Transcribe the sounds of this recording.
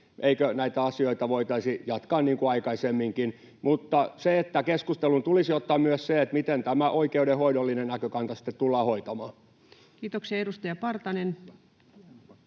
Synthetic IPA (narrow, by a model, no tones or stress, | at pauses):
ʔeikønæit̪æɑsioit̪ɑʋoit̪ɑisijɑt̪kɑːnniːŋkuɑikɑisemːiŋkin | mut̪ːɑseet̪ːækeskust̪elunt̪ulisiot̪ːɑːmmyøsseet̪mit̪ent̪æmæʔoikeudehoidolːinenækøkɑnt̪ɑsi̥t̪ːet̪t̪ulːɑːhoit̪ɑmɑː | kiːt̪oksiɑedust̪ɑjɑpɑrt̪ɑnen